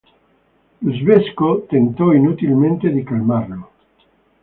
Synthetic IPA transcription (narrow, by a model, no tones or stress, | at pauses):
uzβeskot̪ent̪oinut̪ilmẽnt̪eðekalmaɾlo